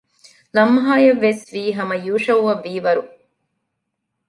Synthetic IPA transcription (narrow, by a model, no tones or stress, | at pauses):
lɐmːɦaːjɐʋːesʋiːɦɐmɐjuːʂɐʋuʋɐʋːiːʋɐɾu